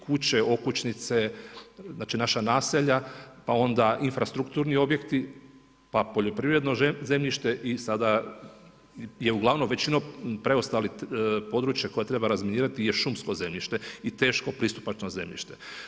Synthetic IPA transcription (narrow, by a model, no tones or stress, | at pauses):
kut͡ɕeo̞kut͡ɕnit̪se | zaːt͡ʃinaʃanaːseʎapao̞nd̪aʔinfɾast̪ɾukt̪uːɾnio̞bje̞kt̪i | papo̞ʎo̞pɾiʋɾe̞d̪no̞ze̞mʎiʃt̪eʔisad̪a | jeuɡlˠaʋnomʋe̞t͡ɕinopɾe̞ost̪alipo̞d̪ɾuːt͡ʃjako̞jat̪ɾe̞baɾazminiːɾat̪ije̞ʃumskoze̞mʎiʃt̪e̞it̪e̞ːʃko̞pɾist̪u̥pat͡ʃno̞ze̞̰mʎḭʃt̪e̞